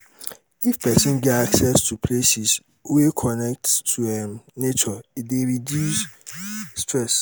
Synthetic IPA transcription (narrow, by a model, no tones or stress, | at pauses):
ifpʰɛsɪ̃nɡɛaksɛstʰupʰlesis | wekʰɔnɛk̚ttʰːuɛ̃mnet͡ʃɔedeɹidjusː | tʰɹɛs